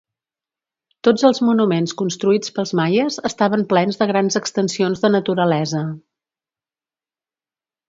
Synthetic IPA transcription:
t̪od͡zəlˠzmunumenskunst̪ɾuit͡spəlˠzmajəzəst̪aβ̞əmplɛnzðəɣɾanzəkst̪ənsionzðənət̪uɾəlɛzə

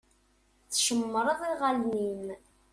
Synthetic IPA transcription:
θʃəmːəɾˤəðˤiʁalnim

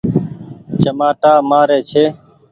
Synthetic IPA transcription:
t͡ʃəmaːʈaːmaːɾeːt͡ʃʰeː

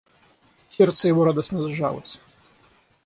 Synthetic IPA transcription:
sʲert̪səjɪvoɾad̪əsnəzʐa̰lˠə̰sʲ

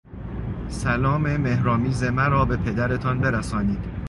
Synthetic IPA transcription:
sælɒːme̞me̞hɾɒːmiːzemæɾɒːbe̞pʰe̞d̪æɾe̞t̪ʰɒnbe̞ɾæsɒːniːd̪̥

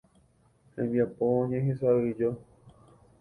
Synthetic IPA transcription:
hḛ̃mbjapoɲẽɦẽsaɾɨd͡ʒo

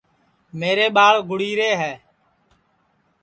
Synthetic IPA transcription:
meːɾeːɓaːɭɡʱʊɽiːɾeːɦɛː

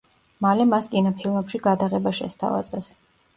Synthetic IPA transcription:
malɛmaskʼinɔpʰilˠmɛpʃiɡad̪aʁɛbaʃɛ̰st̪ʰa̰va̰zɛs

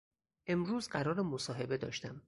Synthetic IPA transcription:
ʔe̞mɾuːzɢæɾɒːɾemosɒːɦe̞be̞d̪ɒ̰ːʃt̪æm

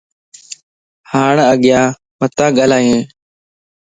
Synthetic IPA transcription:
haːɳəɠɪjãː | mət̪ãːɠaːlaːjẽː

